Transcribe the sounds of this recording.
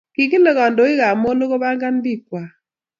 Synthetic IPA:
ki˨k̬i˦lɔ˨ɣɔ˨ndo˨ɪ˦ɣa˨mo˦no˦ko˦ba˦ŋɡa˦nbi˦k̚wa˨

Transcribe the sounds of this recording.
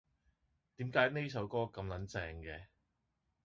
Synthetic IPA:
t̪iː˨˥mkaː˨˥jne˥js̬ɐ˨˥wkɔː˥kɐ˧mlɐ˨˥nt͡sɛː˧ŋkɛː˧

